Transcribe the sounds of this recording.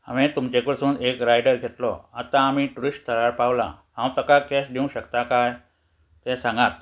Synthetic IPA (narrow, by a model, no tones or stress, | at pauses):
amẽt̪umt͡ɕekəɾsũːnekɾajɖəɾɡʱet̪lɔ̰at̪ãːmiʈuɾisʈ̚t̪ʰəɭaɾpawla̰ɦãwt̪əkakesɖiũɕəkt̪akaj | t̪ɛsãŋɡat̪̚